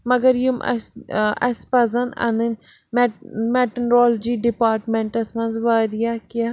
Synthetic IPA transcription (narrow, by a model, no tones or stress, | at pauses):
mɐɡəɾjumʔɐspɐzɐnɐ̰nən | mmɛʈnɾɔːld͡ʒiːɖɪpaːɾʈmɛ̃ɳʈɐsmɐ̃nzʋaːɾijaːkijaː